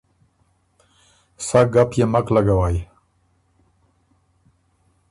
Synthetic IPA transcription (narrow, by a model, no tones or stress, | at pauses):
saɡapjemaklaɡawaj